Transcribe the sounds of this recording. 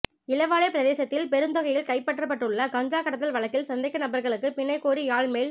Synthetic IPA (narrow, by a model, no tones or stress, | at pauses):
ɪlɐʋaːɭɐɪpɪɾɐðeːsɐt̪ːɪlpɛɾɯnd̪ɔɣɐjɪlkɐɪpːɐʈːrɐp̬ːɐʈːrɯɭːɐɡɐɲd͡ʒaːkɐɽɐt̪ːɐlʋɐɭɐkːɪlsɐnd̪ɐɪkːɐnɐbɐɾɣɐɭɯkːɯpɪɳːɐɪkːoːɾiaːɭmeːɭ